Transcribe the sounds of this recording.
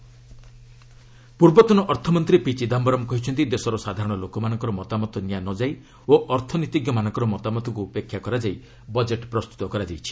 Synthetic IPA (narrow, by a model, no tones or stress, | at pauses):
puɾbɔt̪ɔnɔʔɔɾt̪ʰɔmɔnt̪ɾipit͡ʃid̪ambɔɾɔmkɔɦit͡ʃʰɔnt̪id̪esɔɾɔsad̪ʱaɾɔɽ̃ɔlokɔmanɔ̃ŋkɔɾɔmɔt̪amɔt̪ʰɔnjanɔd͡ʒaj | oʔɔɾt̪ʰɔnɔit̪iɡjɔmanɔ̃ŋkɔɾɔmɔt̪amɔt̪ʰɔkuupekʰjakɔɾad͡ʒai | bɔd͡ʒeʈpɾɔst̪u̥t̪ɔkɔɾad͡ʒajt͡ʃʰi̥